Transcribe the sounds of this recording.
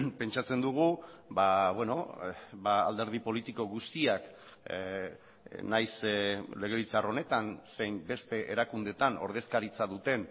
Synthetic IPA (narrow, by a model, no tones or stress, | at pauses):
pe̞nt͡ʃat͡se̞nd̪uɣ̞ubaβweno̞baa̰ld̪e̞ɾð̞ipo̞lit̪iko̞ɣust̪iak | najsle̞ɣ̞e̞βit͡saro̞ne̞t̪anse̞jmbe̞st̪e̞ʔeɾakund̪et̪ano̞̰ɾð̞e̞skaɾit͡saðut̪e̞n